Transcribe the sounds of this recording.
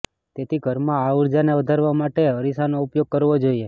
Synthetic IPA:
t̪et̪ʰiɡʱəɾmãauɾd͡ʒaneʋəd̪ʱaɾʋamaʈeəɾisanoupjoɡ̚kəɾʋod͡ʒoie

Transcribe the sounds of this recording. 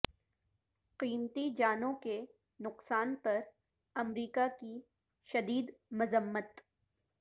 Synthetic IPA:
qiːmt̪id͡ʒaːnõke | nʊqsaːnpɐɾ | ɐmɾiːkaki | ʃɐd̪iːd̪mɐzəmːət̪

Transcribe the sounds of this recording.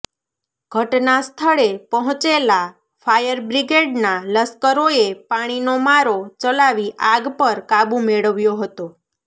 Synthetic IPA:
ɡʱəʈnast̪ʰəɭepəɦɔ̃t͡ʃela | fʰajəɾbɾiɡeɖnaləskəɾoepaɽ̃inomaɾot͡ʃəlaʋiʔaɡpəɾkabũmeɭəʋjoɦət̪o

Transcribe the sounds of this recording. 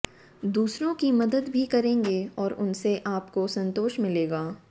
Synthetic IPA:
d̪uːsɾõkimɐd̪əd̪bʱikɐɾẽːŋɡeɔːɾʊnseʔaːpkosɐ̃nt̪oːʃmɪleːɡaː

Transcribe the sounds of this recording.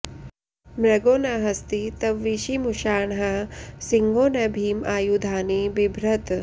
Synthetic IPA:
mɾɐɡoːnɐɦɐst̪it̪ɐʋːiʃimuʃaːɳɦɐsiŋɡoːnɐbʱiːmaːjud̪ʱaːnibibʱɾɐt̪

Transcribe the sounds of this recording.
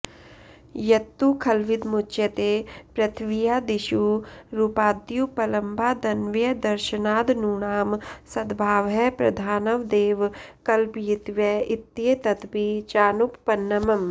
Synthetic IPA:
jɐt̪ːukʰɐlʋɪd̪mut͡ʃjɐt̪eːpɾɐt̪ʰʋijaːd̪ɪʃuːɾupaːd̪jupɐlɐ̃mbʱaːd̪ɐnʋjɐd̪ɐɾʃənaːd̪nuːɳaːmsɐd̪bʱaːʋɦɛpɾɐd̪ʱaːnɐʋd̪eːʋkɐlpjit̪ʋjɐɪt̪ːjet̪ɐt̪pit͡ʃaːnupːɐnːɐmɐm

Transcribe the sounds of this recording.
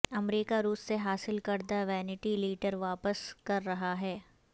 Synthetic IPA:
ɐmɾiːkaɾuːsːeɦaːsɪlkɐɾd̪aʋɛːnɪʈiliːʈəɾʋaːpəskɐɾːɐɦaɦɛː

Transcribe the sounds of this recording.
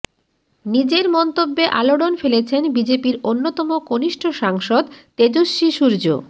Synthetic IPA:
nid͡ʑeɾmɔnt̪obːeʔaloɽonfelet͡ɕʰenbid͡ʑepiɾonːot̪ɔmokoniʃʈʰoʃaŋʃod̪t̪ed͡ʑoʃːiʃuɾd͡ʑo̰

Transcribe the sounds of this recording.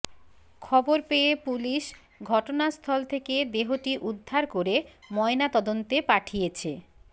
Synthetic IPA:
kʰɔboɾpeepuliʃ | ɡʱɔʈonast̪ʰɔlt̪ʰeked̪eɦoʈiʔud̪ʱːaɾkoɾemɔenat̪ɔd̪ont̪epaʈʰijet͡ɕʰḛ

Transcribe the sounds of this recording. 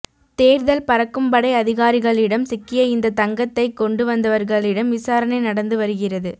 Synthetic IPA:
t̪eːɾðɐlpɐɾɐkːɯmbɐɽɐɪɐðɪɣaːɾɪɣɐɭɪɽɐmsɪkːɪjɐɪnd̪ɐt̪ɐŋɡɐt̪ːɐɪkːɔɳɖɯʋɐnd̪ɐʋɐɾɣɐɭɪɽɐmʋɪsaːɾɐnɐɪnɐɽɐnd̪ɯʋɐɾɯɣɪrɐðɯ

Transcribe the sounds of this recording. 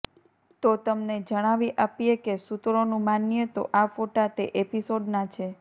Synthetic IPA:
t̪ot̪əmned͡ʒəɽ̃aʋiʔapijekesut̪ɾonũmanjet̪o̰ʔafoʈat̪eʔepisoɖnat͡ʃʰe

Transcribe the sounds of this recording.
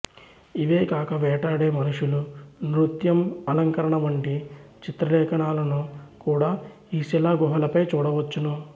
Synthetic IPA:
iʋe̞ːkaːkɐʋɛːʈaːɽeːmɐnuʂulunɾut̪jɐmɐlɐŋkɐɾɐɳɐʋɐɳʈit͡ʃit̪ɾɐlɛːkʰɐɳaːlɐnukuːɽaː | iːsilaːɡɔɦɐlɐpɐjt͡ʃuːɽɐʋɐt͡ʃːunu

